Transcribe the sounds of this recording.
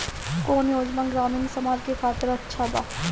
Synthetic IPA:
koːnjoːd͡ʒmaɡɾaːnuːnsɐmaːd͡ʒkekʰaːt̪ɪɾɐtːʃʰaba̰ːt

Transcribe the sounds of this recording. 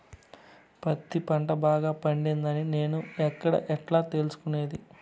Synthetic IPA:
pɐt̪ːipɐɳʈɐbaːɡaːpɐɳɖind̪ɐnine̞ːnuɛkːɐɽɐ̰ʔɛʈlaːt̪e̞lusu̥kune̞ːd̪i

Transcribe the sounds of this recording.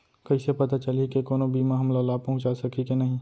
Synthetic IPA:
kɐisepɐt̪at͡ʃɐlikekoːnobʱiːmãɦɐmlalaːpɐɦʊ̃t͡ʃasɐkʰikenɐɦĩ

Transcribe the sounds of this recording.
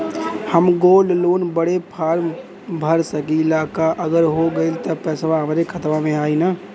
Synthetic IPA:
həmɡoːlloːnbəɽepʰaːɾm | bʱəɾsəkiɪlaːkaʔəɡəɾɦoɡəilt̪əpɛːsʋaɦəmɾekʰət̪ʋamẽaːina

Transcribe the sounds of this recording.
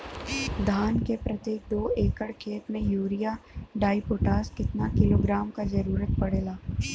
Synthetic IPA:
d̪ʱaːnkepɾɐt̪jeːk̚d̪oːeːkəɽkʰeːt̪mẽjuːɾijaɖaːipoːʈaːskɪt̪nakɪloːɡɾaːmkazɐɾuːɾət̪̚pɐɽeːlaː

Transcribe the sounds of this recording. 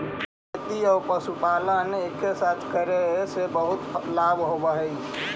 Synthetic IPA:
ət̪iɔːɾpəsupaːlənekːesaːt̪ʰkəɾesebəɦʊt̪laːbɦobəɦɛi

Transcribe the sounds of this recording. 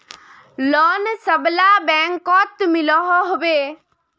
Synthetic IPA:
lɔnsəblabɛŋkɔt̪milɔɦɔɦobe

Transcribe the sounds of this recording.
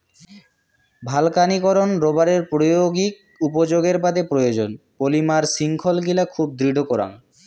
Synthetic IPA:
bʱalkanikɔɾonɾobaɾeɾpɾojoɡik̚ | upod͡ʑoɡeɾbad̪epɾojod͡ʑonpolimaɾsiŋkʰolɡilakʰub̚d̪ɾiɖʱokɔɾa̰ŋ

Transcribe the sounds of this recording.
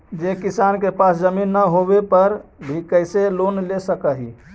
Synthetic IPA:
d͡ʒekisankepasd͡ʒəminːəɦobepəɾbʱikəɪselonlesəkəɦḭ

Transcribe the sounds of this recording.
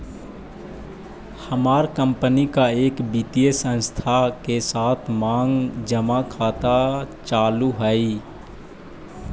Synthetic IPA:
həmaːɾkə̃mpənikaeːkbit̪iesə̃nst̪ʰakesaːt̪ʰmãːŋɡd͡ʒəmakʰaːt̪at͡ʃaːluɦəi

